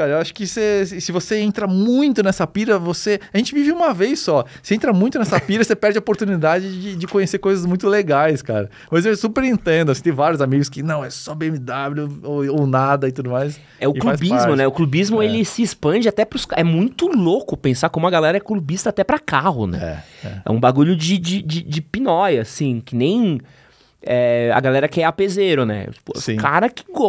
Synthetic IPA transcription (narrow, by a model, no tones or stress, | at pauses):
kaɾɐewaʃʊ̥kɪsesɪvoseẽnt̪ɾɐmũj̃t̪ʊnɛsɐpiɾɐvoseaʒẽnt͡ʃɪvivɪũmɐvejsːɔseẽnt̪ɾɐmũj̃t̪ʊnɛsɐpiɾɐsepɛɾd͡ʒɪɐopoɾt̪unid̪ad͡ʒɪd͡ʒɪd͡ʒɪkõɲeseɾkojzɐzmũj̃t̪ʊleɡajska̰ɾɐ | mɐzewsupeɾĩnt̪ẽnd̪ʊɐsĩt̪ẽj̃vaɾjʊzamiɡʊskɪnɐ̃w̃ɛsɔbeẽmid̪ablʲʊoownad̪ɐɪt̪ud̪ʊmajs | ɛʊɪkluajsbizmʊnɛʊklubizmʊelɪsɪespɐ̃d͡ʒɪat̪ɛpɾʊskɛmũj̃t̪ʊlokʊpẽsakõmʊɐɡalɛɾɐɛklubist̪ɐːt̪ɛpɾɐkaɦʊnɛ̰ɛ̰ɛ̰ɛ̰ũbaɡuʎʊd͡ʒɪd͡ʒɪd͡ʒɪd͡ʒɪpinɔjɐːsĩkɪnẽj̃ | ɛɐ̰ɡalɛɾɐkɪɛapezeɾʊnɛ̰t͡ʃi̥pʊsĩkaɾɐkɪ̥ɡo